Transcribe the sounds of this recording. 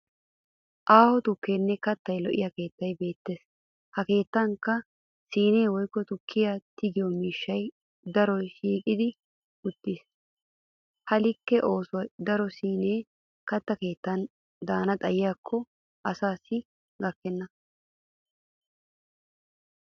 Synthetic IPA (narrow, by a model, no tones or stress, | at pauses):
ʔaːhɔt̪ʊkːeːnːɛkɐt̪ːɐjlɔʔɪ̰jake̞ːt̪ːɐjbe̞ːt̪ːe̞ːs | hɐke̞ːt̪ːɐŋkɐ | siːne̞ːwɔjkːɔt̪ʊkʰːɪjat̪ɪɡɪjɔmiːʃːɐj | d̪ɐɾɔjʃiːkʼɪd̪ɪ | ʊt̪ːɪs | hɐlɪkːɛʔo̞ːswɐjd̪ɐɾɔsiːneː | kɐt̪ːɐke̞ːt̪ːɐn | d̪aːnɐt̪ʼɐjɪjaːkʰːɔ | ʔɐsaːsɪ | ɡɐkːɛnːɐ